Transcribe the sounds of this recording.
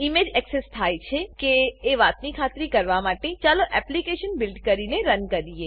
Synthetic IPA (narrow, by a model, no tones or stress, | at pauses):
imed͡ʒɛksest̪ʰajt͡ʃʰekeːʋat̪nikʰat̪ɾikəɾʋamaʈet͡ʃaloʔɛplikeʃənbɪlɖkəɾineɾənkəɾie